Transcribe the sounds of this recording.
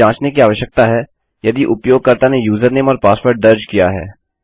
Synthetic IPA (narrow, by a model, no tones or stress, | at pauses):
ãːt͡ʃnekiaːʋəʃjək̚t̪aɦɛː | jɐd̪iʔʊpjoːɡ̚kɐɾt̪anejuːzəɾneːmɔːɾpaːspəɾʈ̚d̪ɐɾd͡ʒkijaɦɛ̰ː